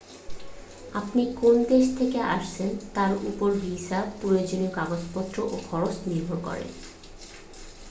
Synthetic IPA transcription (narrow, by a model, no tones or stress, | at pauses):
apnikond̪eʃt̪ʰekeʔa̰ʃt͡ɕʰent̪aɾṵpoɾbisapːɾojod͡ʑoniokaɡod͡ʑpɔt̪ːɾoʔokʰɔɾot͡ɕniɾbʱoɾkɔ̰ɾḛn